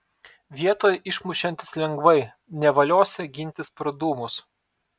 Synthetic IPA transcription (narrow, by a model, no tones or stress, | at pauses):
ʋʲiɛt̪oːjɛʔɪʃmʊʃʲɛnʲt̪ʲɪ̥slʲɛŋɡʋɐɪ | nʲɛʋɐlʲoːsʲɛɡʲɪnʲt̪ʲɪspɾɐd̪uːmʊs